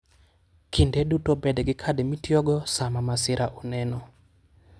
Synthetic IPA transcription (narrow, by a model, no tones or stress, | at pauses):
kʰindedutobɛdɡɪkʰademitjɔɡɔsamamasɪɾʔaʔɔnɛnɔ